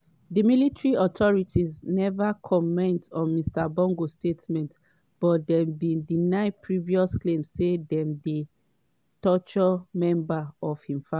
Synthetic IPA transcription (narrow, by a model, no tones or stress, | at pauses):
dəmilitɹiɔtʰɔɹitʰiznɛvakʰɔmɛ̃ntɔ̃nmistabɔ̃ŋɡostetmɛ̃nt | b̥ɔt̚dɛmbĩndinaɪpʰɹiviɔsklẽmsːedɛ̃mde | tɔt͡ʃɔmɛ̃mbaɔv̥ĩɱfa